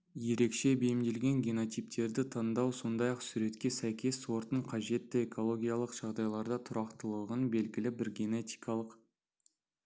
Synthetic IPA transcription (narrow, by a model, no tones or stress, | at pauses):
je̞ɾe̞kʃe̞bejɪmd̪e̞lɡʲe̞ŋɡʲeno̞t̪ijp̚t̪e̞ɾd̪ɪt̪ʰɑnd̪ɑwso̞nd̪ɑjɑqsuɾe̞t̪kʲe̞sæjkʲe̞sːwo̞ɾt̪əəɴqʰɑʒe̞t̪ːɪekʰo̞lˠo̞ɡʲijalˠəqʒ̥ɑʁd̪ɑjlˠɑɾd̪ɑt̪ʰʊɾɑqt̪əlˠəʁənbe̞lɡʲɪlɪbɪɾɡʲene̞t̪ijkʰɑlˠəq